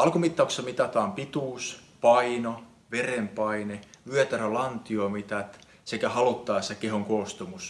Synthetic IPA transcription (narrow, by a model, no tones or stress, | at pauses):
ɑlkumit̪ːɑuksɑmit̪ɑt̪ɑːmpit̪uːspɑino | ʋerempɑineʋyøt̪ærælɑnt̪iomit̪ɑt̪ | sekæhɑlut̪ːɑːsekeɦoŋkoːst̪omus